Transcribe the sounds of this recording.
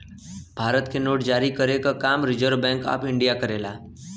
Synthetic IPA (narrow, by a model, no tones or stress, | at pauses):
bʱaːɾət̪kenoːʈd͡ʒaːɾikəɾekəkamɾɪd͡ʒəɾʋbɛ̃ŋka̰ːpɪɳɖijakəɾela